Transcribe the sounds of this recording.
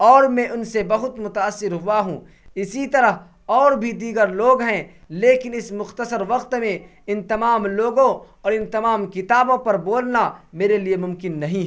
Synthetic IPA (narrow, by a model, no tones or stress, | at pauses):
ɔːɾmɛ̃ːʔʊnsebɐɦʊt̪mʊt̪aːsːɪɾɦʊwaɦũː | ɪsit̪ɐɾəɦ | ɔːɾbʱid̪iːɡəɾloːɡɦɛ̃ | leːkɪnɪsmʊxt̪əsəɾʋɐqt̪mẽ | ɪnt̪ɐmaːmloːɡõɔːɾɪnt̪ɐmaːmkɪt̪aːbõpɐɾboːlnameːɾeliemʊ̃mkɪnːɐɦĩɦ